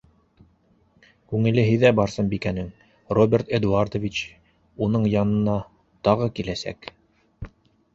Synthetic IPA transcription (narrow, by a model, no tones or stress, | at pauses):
kʉŋɘ̆lɘɦɘ̆ðæbɑɾsɤmbikænɘŋ | robʲert̪ed̪uard̪ovʲit͡ɕ | unɤɴjɑnɤ̆nɑ | t̪ɑʁɤkilæsæ̰k